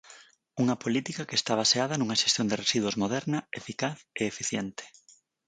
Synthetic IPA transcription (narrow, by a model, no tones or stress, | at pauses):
uŋɐpolit̪ikɐkest̪aβ̞aseaðɐnuŋɐʃest̪jond̪eresiðwozmoð̞ɛɾnɐefikaθeːfiθjent̪ɪ̥